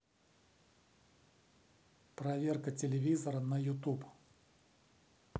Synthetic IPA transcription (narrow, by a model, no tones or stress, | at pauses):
pɾɐvʲe̞rkətʲɪlʲɪvʲizəɾənəjʊt̪up